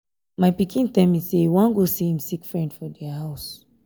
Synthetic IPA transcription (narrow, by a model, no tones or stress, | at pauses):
majpikĩntãmisewãnɡosihĩmsikfɹɛ̃ndfɔdɛaɦaʊs